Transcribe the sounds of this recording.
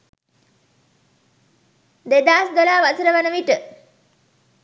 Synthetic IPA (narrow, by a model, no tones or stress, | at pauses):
d̪ed̪aːsd̪olaːʋatəɾəʋanəʋiʈə